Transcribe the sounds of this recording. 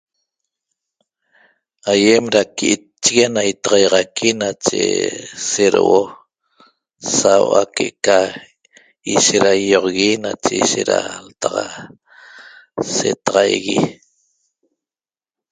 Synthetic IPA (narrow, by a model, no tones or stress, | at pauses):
ajemɾakiʔi | t͡ʃːiɣenait̪ɑʁɑjʁɑkʰinat͡ʃḛseɾo̰ʔo | sawʔa̰keʔka | iʃeɾajoʁɣinat͡ʃeiʃeɾa̰lt̪ɑʁɑ̰ | sḛt̪ɑʁɑjɣi